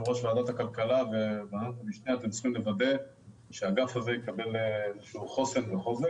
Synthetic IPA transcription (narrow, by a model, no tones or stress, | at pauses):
ʁoʃvaːd̪at̪akalkalaveveanatamiʃneat̪emsʁimlevad̪e̞ | ʃeaɡafhazejekabe̞lezeʃuuχo̞se̞nveχoze